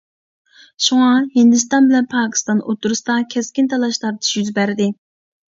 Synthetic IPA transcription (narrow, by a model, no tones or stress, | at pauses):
ʃuŋɑhind̪ɨs̬t̪ɑnbɪlɛnpʰɑːkʲʰi̥st̪ɑnot̪ʰuɾɨsd̪ɑkʲʰɛskʲɪnt̪ʰɑlˠɑʃlˠɑɾd̪ʰi̥ʃjyzbæɾd̪ɪ